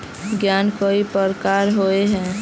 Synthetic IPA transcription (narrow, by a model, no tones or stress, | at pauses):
ɡjaːnkoipəɾkaːɾɦoeɦɛ̃ː